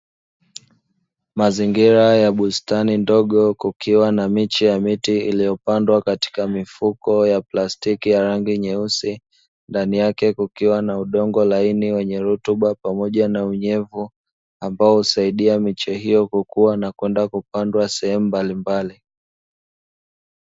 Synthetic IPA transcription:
maziŋɡiɾajaɓustanindɔɠɔkukiwanamit͡ʃɛjamitiilijɔpandwakati̥kamifukɔjaplastikijaɾaŋɡiɲɛusi | ndanijakɛkukiwanauɗɔŋɡɔlainiwɛɲɛɾutuɓapamɔʄanauɲɛvu | ambaɔhusaiɗiamit͡ʃɛhijɔkukuwanakwɛndakupandwasɛhɛmumbalimbali

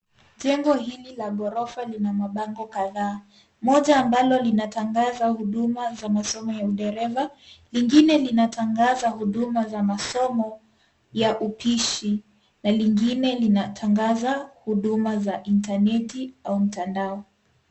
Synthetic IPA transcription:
ʄɛŋɡɔɦililaɠɔɾɔfalinamaɓaŋɡɔkaðaː | mɔʄaːmbalɔlinataŋɡazahuɗumazamasɔmɔjauɗɛɾɛvaliŋɡinɛlinatʰaŋɡazahuɗumazamasɔmɔ | jaʔupʰiʃi | naliŋɡinɛlinatʰaŋɡazahuɗumazaʔintanɛtiaum̩tandaɔ

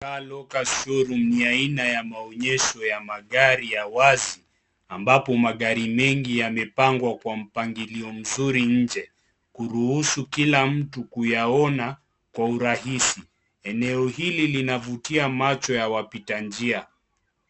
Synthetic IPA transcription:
kalɔkaʃɔɾuniainajamaɔɲɛʃɔjamaɠaɾijawazi | ambapɔmaɠaɾimɛŋɡijamɛpaŋɡwakwam̩paŋɡiliɔm̩zuɾiɲ̩d͡ʒɛ | kuɾuhusukilam̩tukujaɔna | kwauɾaɦisi | ɛnɛɔhililinavutiamat͡ʃɔjawapitand͡ʒia

